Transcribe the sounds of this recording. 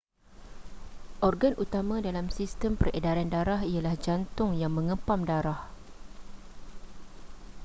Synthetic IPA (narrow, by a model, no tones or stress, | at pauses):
ʔɔrɡanʔut̪amãdalamsist̪əmpəredaɾandaɾaɦialahd͡ʒant̪ʊŋjaŋmə̃ŋə̃pamdaɾah